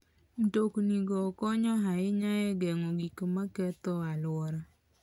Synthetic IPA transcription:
n̩tokniɡɔːkɔɲɔɦaɪɲajɛɡɛŋɔɡikmakɛt̪ɔalʊwɔɾɔ

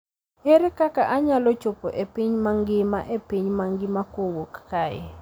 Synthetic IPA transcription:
eɾekakaʔaɲalɔt͡ʃopoʔepiɲmaŋɡɪma̰ʔepiɲmaŋɡɪmakowokːaɛ̰

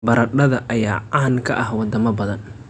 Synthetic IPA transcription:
bɐɾɐɖɐðɐʔɐjaːaːnkʰɐʔɐhwɑd̪ɐmɐbɐðɐn

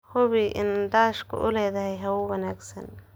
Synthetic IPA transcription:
hʊβiʔɪ̰nd̪aːʃkʰʊ̰ʔʊ̰lɛːðɐɦɛjɦɐwʊwɐnaːɡsɐn

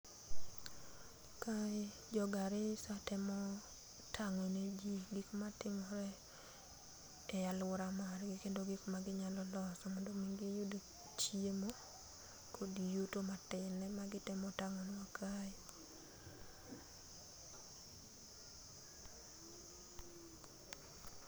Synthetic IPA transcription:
ka | d͡ʒɔɡaɾɪsatɛmɔ | tʰaŋoned͡ʒiɡikmatɪmɔɾɛ | jalwʊɾamarɡɪkendoɡikmaɡɪɲalɔlɔsɔmondomiŋɡijudo | t͡ʃiemo | kʰodijotomatɪnːɛmaɡɪtɛmɔtaŋonwakajɪ

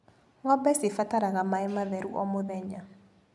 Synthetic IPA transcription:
ŋɔbɛsɪfataɾaɣamaɪmaðɛɾuʔɔmoðɛɲa

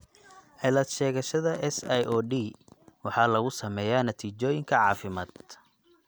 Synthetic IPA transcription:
ʔɛlɐt̪ʃɛːɣɐʃɐðɐʔɛsɛjʔɔːɖiːwɑħɑːlɐɣʊsɐmɛːjaːnɐt̪ʰiːt͡ʃɔːjɪŋkʰɐʕɑ̰ːfɪmaːd̪̥

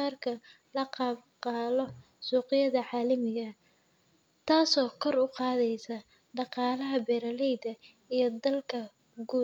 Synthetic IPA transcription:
aːrkʰɐ | lɐqɑːbqɑːlɔ | suːqɪjɐðɐʕaːlɐmɪɣɐ | t̪ʰaːsɔːkʰɔrʊqɑːðɛjsɐ | ɖɑqɑːlɐɦɐbɛːɾɐlɛjd̪ɐ | ijɞd̪ɐlkʰɐ | ɡuː

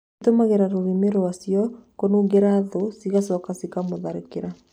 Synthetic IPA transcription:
tomaɣeɾaɾoɣimeɾoasiɔkonuːŋɡeɾaːðosiɣasɔkasikamoðaɾekeɾa

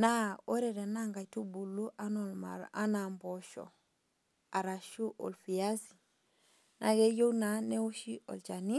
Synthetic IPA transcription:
naoɾedenaŋɡajtubulːuʔanolma̰anamboʃo̰ | aɾaʃuʔo̰lfijasi̥ | nʔaɡejownanewoʃiʔo̰lt͡ʃani

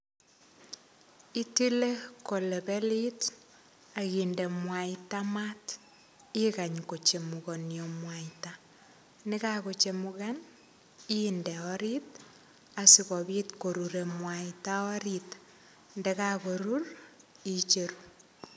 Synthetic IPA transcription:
itilekolebɛlit | akindɛmwaitamat | ikaɲkot͡ʃemukonjomwaita | nɪkakot͡ʃemuɣan | indɛɔɾit | asikɔbitkoɾuɾemwaitaɔɾit | ndɛkakoɾur | it͡ʃeɾu

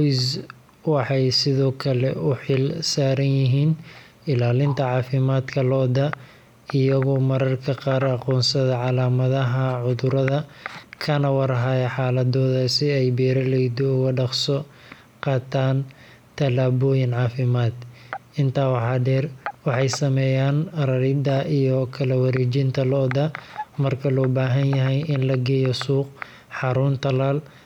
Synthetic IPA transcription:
s | wɑħɑjsɪðɔːkʰɐlɛ̰ʊħɪlsaːɾɐnjɪɦiːn | ɪlaːlɪnt̪ʰɐʕɑːfɪmaːd̪kʰɐlɔːd̪ɐ | ɪjɐɣɔːmɐɾɐrkʰɐqaːɾɑqɔːnsɐðɐʕɑlaːmɐðɐɦɐʕʊðʊɾɐðɐkʰɐnɐwɑɾɐɦajɐħɑːlɐd̪ɔːðɐsɪɛjbɛːɾɐlɛjd̪ɔʊɣɐɖɑqsɔ | qɑːt̪ʰaːn | t̪ʰɐlaːβɔːjɪnʕɑːfɪmaːd̪ʔɪnt̪ʰaːwɑħɑːɖɛːrwɑħɑjsɐmɛːjaːnrɐɾɪd̪ɐʔijɔkʰɐlɐwɐɾiːt͡ʃɪnt̪ʰɐlɔd̪ɐmɐrkʰɐlɔːbaːɦɐnjɐɦɛjɪnlɐɡɛːjɔsuːq | ħɑɾʊnt̪ʰɐlaːl

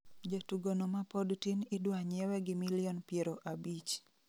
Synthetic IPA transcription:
d͡ʒatuɡonomapɔdtinɪdwaɲɛwɛɡɪmiliɔnpjeɾoʔabit͡ʃ

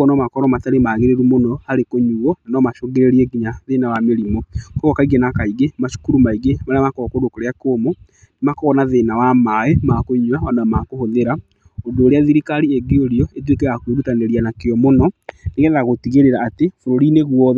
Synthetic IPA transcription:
ɔnɔmakɔɾɔmataɾemaɣeɾeɾumonɔhaɾekoɲuɣɔnanɔmaʃoɣeɾeɾiɛɡiɲaðenawameɾimɔkɔɣɔkaiɡenakaiɡemaʃu̥kuɾumaiɡemaɾeamakɔɔkodokoɾeakomo | nemakɔɣɔnaðenawamaemakoɲuawadaamakohoðeɾa | oɡeoɾeaðiɾikaɾieɡeoɾiɔet̬wekɛɣakweɾutaneɾianakeɔmonɔneɣɛðaɣotiɣeɾeɾaːtefoɾoɾineɣwɔð

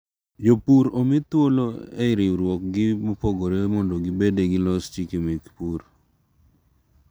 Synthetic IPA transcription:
jopuɾomɪt̪woloeɾɪɾwɔk̚ɡɪmopɔɡoɾemɔndoɡɪbedeɡɪlɔst͡ʃikimikpuɾ

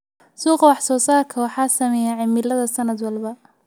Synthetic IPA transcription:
suːqɑwɑħsɔːsaːrkʰɐwɑħɑːsɐmɛjaʕɪmɪlɐðɐsɐnɐd̪wɑlbɐ

